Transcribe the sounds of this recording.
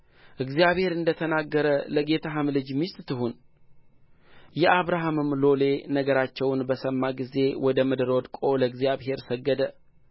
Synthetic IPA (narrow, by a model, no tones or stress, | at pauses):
ʔɨɡzijaβhe̞ɾɨnd̪ət̪ʰənaɡːəɾələɡe̞t̪ʰaɦɨmlɨd͡ʒmist̪ʼt̪ʰɨɦun | jɛʔaβɾaɦamɨmlo̞le̞nəɡəɾat͡ʃːɛwnbəsəmːaɡize̞wɔd̪əmɨd̪ɾod̪kʼo̞ləɨɡzjaβɦe̞ɾsəɡːəd̪ə